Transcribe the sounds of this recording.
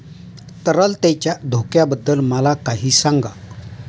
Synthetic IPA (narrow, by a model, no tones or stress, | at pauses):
t̪əɾəlt̪jat͡ɕjad̪ʱokjabəd̪ːəlməlakaɦiːsaŋɡa